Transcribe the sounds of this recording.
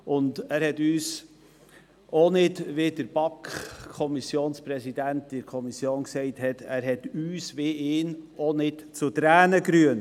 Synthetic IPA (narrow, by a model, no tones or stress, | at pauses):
ʊndæːɾhɛtyːs | onɪdʋɪdəɾb̥ɑkkʰːɔmisjoːnspɾɛsidæntɪɾkʰɔmisjoːnksɛɪthɛtʰæːɾɦɛtyːsʋeɪːnonɪtt͡sʊtɾæːnəɡɾyən